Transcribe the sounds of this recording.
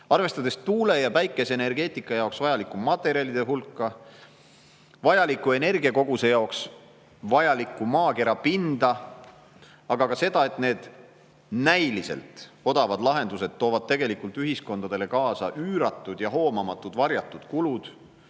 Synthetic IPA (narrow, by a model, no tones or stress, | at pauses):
ɑrve̞st̪ɑd̪̥e̞st̪uːle̞jɑvæjkːˑe̞seene̞rɡe̞ːt̪ˑikːˑɑjɑoksvɑjɑlikːumɑt̪ːˑe̞ɾiɑlid̪̥e̞ɦulkːˑɑ | vɑjɑlikːˑue̞ne̞rɡiɑko̞ɡuse̞jɑoks | vɑjɑlikːˑumɑːke̞ɾɑpind̪̥ɑ | ɑɡ̥ɑkɑse̞d̪̥ɑe̞t̪ne̞ːd̪̥ | næjlise̞̰lt̪ˑ | o̞d̪ɑvɑd̪̥lɑɦe̞nd̪use̞d̪̥t̪ːo̞ːvɑd̪̥̚t̪e̞ɡ̥e̞likult̪yɦisko̞nd̪ɑd̪̥e̞le̞kɑːsɑ̰ʔyːɾɑt̪ːˑud̪̥jɑɦo̞ːmɑmɑt̪ːˑud̪vɑrjɑt̪ːˑud̪̥kulud̪̥